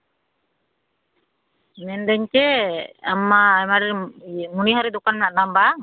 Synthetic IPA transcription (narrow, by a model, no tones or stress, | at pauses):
nɛnd̪ɛɲt͡ʃɛa̰majmaɽɛɾmuniɦɔɾid̪ukanmɛnaʔd̪amba